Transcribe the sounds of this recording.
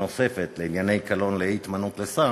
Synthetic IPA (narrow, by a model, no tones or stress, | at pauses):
ose̞fet̪leinjane̞jkalo̞nlet̪manut̪lesa